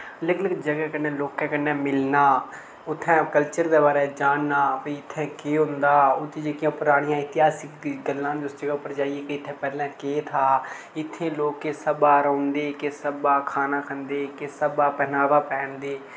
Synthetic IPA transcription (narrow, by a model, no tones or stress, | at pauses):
lɪkləkd͡ʒəɡɛːkənːeːloːkːɛ̃ːkənːɛːmɪlnaː | ʊt̪ʰːɛ̃ːkəlt͡ʃəɾd̪eːbaːɾɛːd͡ʒaːnnaːpəɪt̪ʰːɛ̃ːkeːɦʊ̃nd̪aːʊt̪ʰːed͡ʒəkɪjãːpʊɾaːɽijãːɪt̪ɪɦaːsɪkd̪iːɡəlːãːʊsd͡ʒəɡɛːʊpːəɾd͡ʒaːieːkeɪt̪ʰːɛ̃ːpɛːlɛ̃ːkeːt̪ʰaː | ɪt̪ʰːẽːloːkːeːsəbaːɾɔːnd̪eːkesəbaːkʰaːnaːkʰənd̪eːkesəbaːpɛnaːbaːpɛːɳd̪eː